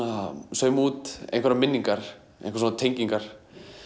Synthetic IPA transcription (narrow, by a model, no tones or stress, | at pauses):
asœːɥmuːt̪ḛjnkvaɾamɪnːiŋkaɾ̥ | ḛjnkvasunat̪ʰejŋciŋkaɾ̥